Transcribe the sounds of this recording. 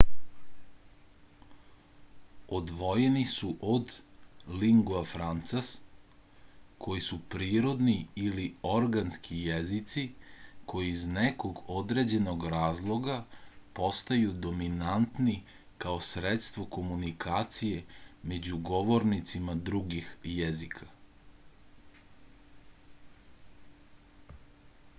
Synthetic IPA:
od̪ʋo̞je̞nisuʔod̪liŋɡoafɾant̪sas | kʰo̞jisupɾiːɾo̞d̪niilio̞ɾɡanskʰijezit̪sikʰo̞jizneko̞ɡo̞d̪ɾe̞d͡ʑe̞no̞ɡɾaːzlˠo̞ɡapo̞st̪ajud̪o̞minant̪ni | kaosɾet̪st̪ʋo̞ko̞munikʰaːt̪sije̞me̞d͡ʑuɡo̞ʋo̞ɾnit̪simad̪ɾuɡixjezikʰḁ

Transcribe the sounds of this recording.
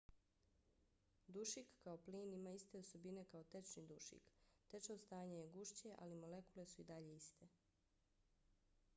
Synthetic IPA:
d̪uʃikːao̞pliːnimaːist̪e̞o̞so̞bine̞kao̞t̪e̞t͡ʃnid̪uʃḭkt̪et͡ʃaost̪aːɲajeɡuʃt͡ɕe̞ʔa̰limole̞kule̞suid̪aʎe̞ist̪e̞

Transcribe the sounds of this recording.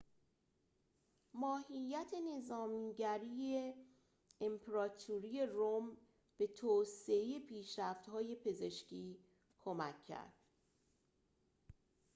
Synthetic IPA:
mɒːhijːæt̪ʰe̞ne̞zɒːmiːɟæɾie | empʰeɾɒːt̪ʰuɾije̞rom | b̥e̞t̪ʰoːseejepʰiːʃɾæft̪hɒːje̞pʰe̞ze̞ʃcʰiː | kʰo̞mækʰːæ̰ɾd̪̥

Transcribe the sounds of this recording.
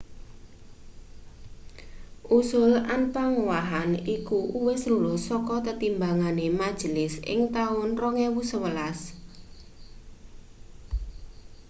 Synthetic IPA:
ʔusʊlanpaŋuwaɦanikuʔuwɪsɾulɔsɔkɔt̪ət̪imbaŋanemad̥ʒ̥əlɪsɪ̰ŋt̪aʊnrɔŋɛwusəwəlas

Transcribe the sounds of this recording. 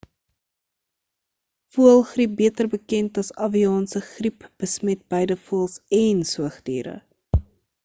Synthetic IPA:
fuəlˠχrip̚biətərbəkɛntɐsɐviɑːnsəχripb̥əsmɛt̚bəjdəfuəlˠsɛnsuəχdḭːɾə̰

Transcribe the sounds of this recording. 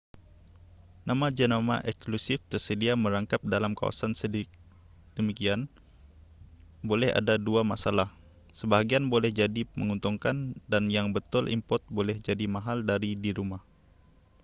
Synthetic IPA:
namad͡ʒənama̰ʔɛkslusɪft̪ərsədiaməɾaŋkap̚dalamka̰wa̰sansəd | dəmikian | bolɛha̰daduamasalah | səbaɦaɡianbolɛhd͡ʒadimə̰ŋunt̪uŋkandanjaŋbət̪ʊlʔḭmpɔt̪̚bolɛhd͡ʒadimaɦaldaɾidiɾumah

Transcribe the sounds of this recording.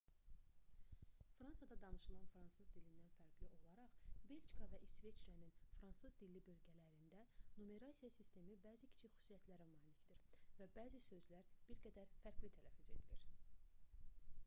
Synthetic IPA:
fɾɑnsɑd̪ɑd̪ɑnɯʃɯlˠɑnfɾɑnsɯzd̪ilind̪ænfæɾɡliʔo̞lˠɑɾɑχbeld͡ʒkʰɑvæʔisve̞t͡ʃɾɑninfɾɑnsɯzd̪ilːibø̞lɟælæɾind̪ænome̞ɾɑsijɑsist̪e̞mibæːzicʰi̥t͡ʃʰicxy̥sijæt̪ʰlæɾæmɑːlicd̪iɾvæbæːzisø̞zlæɾb̥iɾɡæd̪æɾfæɾɡlit̪ʰælæfyze̞̰d̪iliɾ

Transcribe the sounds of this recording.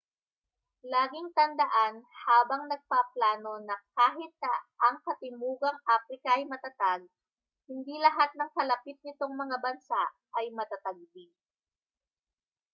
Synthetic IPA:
laːɡɪŋt̪ɐnd̪ɐʔanhaːbɐŋnɐɡ̚paplaːno̞nɐkaːɦɪt̪̚ːaʔɐŋkɐt̪ɪmuːɡɐŋʔaːfɾɪkɐʔɐjmɐt̪at̪aɡ̚ | hɪnd̪ilɐɦat̪̚nɐŋkɐlɐpit̪̚nɪt̪o̞ŋmɐŋabɐnsaʔʔɐjmɐt̪at̪ɐɡ̚bi

